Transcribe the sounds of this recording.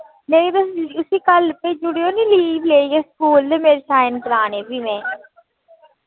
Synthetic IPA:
nẽĩːd̪əsʊsiːkəlpeːd͡ʒʊɽejõːnĩːliːʋleːieːskuːld̪emeːɾsaːɪnkəɾaːnẽːbiːmɛ̃ː

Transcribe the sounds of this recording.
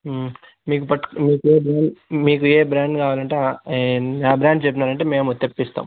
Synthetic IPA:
miːkupɐʈmiːkueːbɾaːɳɖmiːkueːbɾaːɳɖkaːʋaːlɐɳʈe | aːbɾaːɳɖt͡ʃepːinaːɾɐɳʈeːme̞ːmut̪epːist̪a̰ːm

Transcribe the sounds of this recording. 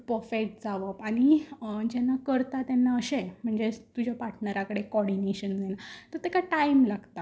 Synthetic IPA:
pɾəfekʈ̚d͡zaʋəpañid͡ʑɛnːakəɾt̪at̪ɛnːaəɕẽm̤əɳd͡zet̪ud͡ʑʱjapaɾʈnəɾakəɽekɔɽineɕənd͡zenat̪əɾt̪ekaʈaimlaɡt̪a

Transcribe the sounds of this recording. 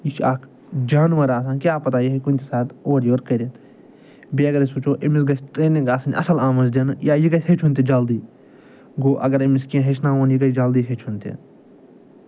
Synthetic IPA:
it͡ʃʰaːk | d͡ʒaːnʋɐɾaːs̬ãːnkjaːpɐt̪aːjeikunʲt̪isaːt̪oːɾjoːɾkɐɾet̪ | beːɐɡɐɾisut͡ʃʰoːʔimis̬ɡɐt͡ʃʈɾeːnĩŋɡaːsɐn̰ʲɐ̰sɐlaːmɐzd̪ɐnjaːjikɐset͡ʃʰunt̪ed͡ʒaːld̪iː | ɡoːʔɐɡɐɾemiskiãɦet͡ʃnaõːnjikɐd͡ʒaːld̪iːset͡ʃʰunt̪ḛ

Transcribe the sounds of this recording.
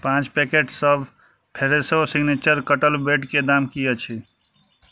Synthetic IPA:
pãt͡ʃpekeʈsəb | pʰeɾesosiɡnet͡ʃəɾkəʈəlbeʈked̪amkijət͡ʃʰi

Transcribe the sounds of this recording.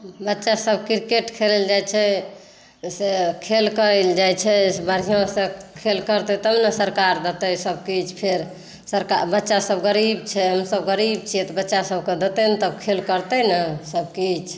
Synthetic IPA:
bətːʃasəbkiɾkeʈkʰeleld͡ʒajt͡ʃʰɛ | sekʰelkəɾɛld͡ʒajt͡ʃʰɛbəɾ̤ijõsəkʰelkəɾt̪et̪əmnəsəɾkaɾd̪et̪ɛsəb̚kit͡ʃʰpʰeɾ | səɾka̰bətːʃasəbɡəɾibt͡ʃʰɛɦəmsəbɡəɾib̚t͡ʃʰijɛt̪ɔbətːʃasəb̚ʱked̪et̪ɛnət̪əbkʰelkəɾt̪ɛnəsəb̚kit͡ʃʰ

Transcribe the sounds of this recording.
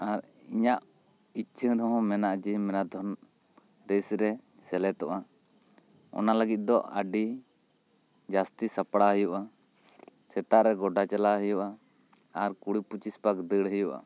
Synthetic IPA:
aɾ | iɲaʔ | it͡ʃʰəd̪ɔɦɔ̃mɛnaʔd͡ʒimɛnad̪ʱɔn | ɾesɾɛsɛlɛt̪ɔʔa | ɔ̰naləɡit̪̚ˀd̪ɔʔa̰ɖi | d͡ʒast̪isapɽaɦəjuʔa | sɛt̪aʔɾɛɡɔɖat͡ʃɛlaɦəjuʔa | aɾkuɽiput͡ʃispakd̪əɽɦəjuʔa̰

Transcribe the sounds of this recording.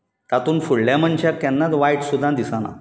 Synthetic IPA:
t̪at̪uːnfuɽljaməɳt͡ɕakːanːat̪ʋajʈsud̪ʱːãd̪isana̰

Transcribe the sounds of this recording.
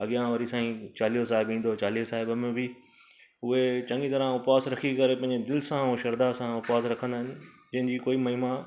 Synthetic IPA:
ɐɠijãʋɐɾisãːĩt͡ɕaːlijos̬aːɦɪbĩːn̆d̪ot͡ɕaːliːosaːɦɪbmẽbʱɪ | ʊɦet͡ɕɐ̃ŋɡit̪ɐɾãʊpaːsɾɐkʰikɐɾepɐ̃ɦɪ̃ɲd͡ʑed̪ɪlsãũːʃɐɾd̪asãʊpaːsɾɐkʰə̃nd̪aːɦɪnɪ̆ | d͡ʑɐ̃ɦɪ̃ɲd͡ʑiːkoːimɐɦima

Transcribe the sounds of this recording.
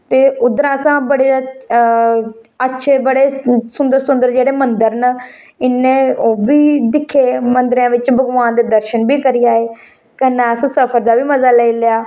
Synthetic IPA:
t̪eːʊd̪əɾãːəsãːbəɽeː | ətːʃʰeːbəɽeːsʊnd̪əɾsʊ̃nd̪əɾd͡ʒeːɽeːmənd̪əɾnə | ɪnːẽːoːbiːd̪ɪkʰːeːmənd̪ɾãːʋɪt͡ʃbəɡʋaːnd̪eːd̪əɾʃənbiːkəɾiːaːeː | kənːɛəsãːsəpʰəɾd̪aːʋiːməzaːləiːlɪjaː

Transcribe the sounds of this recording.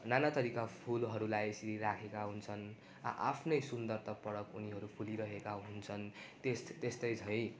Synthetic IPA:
nanat̪ʌɾikapʰulɦʌɾulajsiɾiɾakʰekaɦunt͡sʰʌn | a̰ʔapʰnʌjsund̪ʌrt̪ʌpʌɽʌkuniɦʌɾupʰuliɾʌɦekaɦunt͡sʰʌnt̪est̪est̪ʌjt͡sʰʌj̃

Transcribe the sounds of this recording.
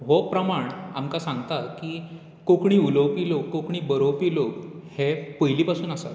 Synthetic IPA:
ɦopɾəmaɳamkasãŋɡt̪akiː | kokɳiːuləwpiːlokːokɳ̃iːbəɾowpiːlokhepəjliːpasuːnasa̰t̪

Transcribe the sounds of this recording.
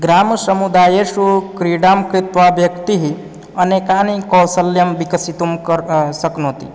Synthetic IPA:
ɡɾaːmsɐmud̪aːjeʃukɾiɽaːmkɾɪt̪ʋaʋjɐkt̪iɦi | ɐnekanikɐwsəljɐmʋikɐsit̪umkəɾsɐknot̪ḭ

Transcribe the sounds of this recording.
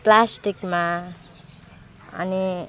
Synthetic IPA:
plasʈikma | ʌ̰ni

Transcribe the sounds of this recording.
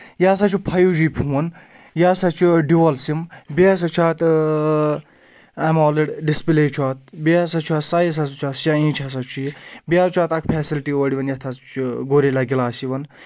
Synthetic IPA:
jaːsat͡ʃʰupʰɐjud͡ʒipʰuwɐn | jaːsat͡ʃʰuɖiʋɐlsimbias̬ɐt͡ʃʰaːt̪ | ɐmoːliɽɖispileːt͡ʃʰwaːt̪̚beasɐt͡ʃʰaːt̪sajis̬asut͡ʃʰaːtʃaĩːt͡ʃʰas̬ɐt͡ʃʰujibiaːt͡ʃʰaːt̪ɐkʰpʰɛːsilʈioːɽiʋɐnjɐt̪ʰat͡ʃʰɡoːɾelaɡilaːsiʋɐn

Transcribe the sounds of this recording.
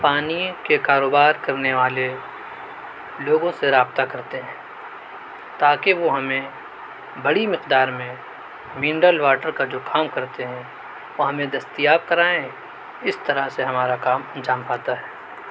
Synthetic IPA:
paːnikekaːɾoːbaːɾkɐɾneʋaːle | loːɡõseɾaːbt̪akɐɾt̪eɦɛ̃ː | t̪aːkeʋoɦɐmẽ | bɐɽimɪqd̪aːɾmẽ | mĩːɳɖəlʋaːʈəɾkad͡ʒoːkʰaːmkɐɾt̪eɦɛ̃ | ʋoɦɐmẽd̪ɐst̪ijaːb̚kɐɾaːẽ | ɪst̪ɐɾaseɦɐmaːɾakaːmɐ̃nd͡ʒaːmpaːt̪aɦɛː

